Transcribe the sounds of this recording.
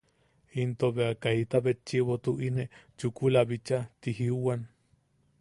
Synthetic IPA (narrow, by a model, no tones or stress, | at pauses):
int̪oβeakait̪aβet͡ʃːiβot̪uʔinet͡ʃukulaβit͡ʃat̪iɦiuwan